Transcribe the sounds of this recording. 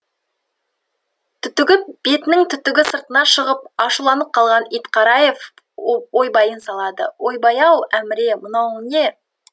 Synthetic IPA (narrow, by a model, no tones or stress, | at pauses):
t̪ʰʏt̪ɪɡʲɪp̚b̥e̞t̪ɪnɪŋt̪ʰʏt̪ːɪɡʲɪsəɾt̪ənɑʃəʁəp̚ɑʃulˠɑnəp̚qʰɑlˠʁɑnijt̪qʰɑɾɑje̞f | o̞jbɑjənsɑlˠɑd̪ə̰wo̞jbɑjɑwæmɪɾe̞mʊnɑwne̞